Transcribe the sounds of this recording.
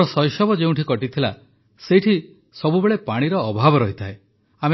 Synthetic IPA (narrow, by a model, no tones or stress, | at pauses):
ɔsɔjsɔbɔd͡ʒeũʈʰikɔʈit̪ʰila̰ | seʈʰi | sɔbubeɭepaɽ̃iɾɔːbʱabɔɾɔɦit̪ʰae | ame